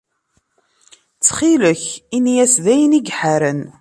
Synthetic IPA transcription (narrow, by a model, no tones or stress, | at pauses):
t͡sːχiləçinjæsðæjəniɡħaɾən